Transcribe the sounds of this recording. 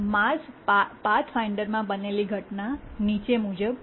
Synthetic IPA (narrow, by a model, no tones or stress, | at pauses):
maspat̪ʰfajɳɖəɾmãbəneliɡʱəʈnanit͡ʃemud͡ʒəb